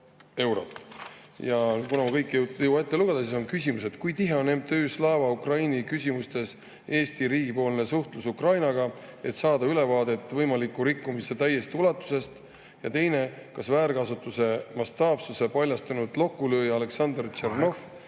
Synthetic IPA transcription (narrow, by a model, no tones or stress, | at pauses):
e̞wɾo̞t̪jɑkunɑmɑkɤjkˑːwɑet̪ːeluɡ̥ed̪̥ɑsiso̞nkysʲimuse̞d̪̥kujt̪iɦe̞o̞nemt̪øːslɑːvɑukrɑjnikysʲimust̪e̞s | e̞ːst̪iɾiːɡ̥ipo̞ːlne̞suht̪lusukrɑjnɑɡ̥ɑe̞t̪sɑːd̪ɑyle̞vɑːd̪̥e̞t̪ːˑvɤjmɑlikːuɾikːumise̞t̪æjːe̞st̪iulɑt̪ːˑu̥se̞st̪ | jɑt̪e̞jne̞kɑsvæːɾkɑsut̪ːˑuse̞mɑst̪ɑːb̥suse̞pɑlʲjɑst̪ɑnud̪lo̞kːuløːjɑle̞ksɑnd̪rt͡ʃerno̞f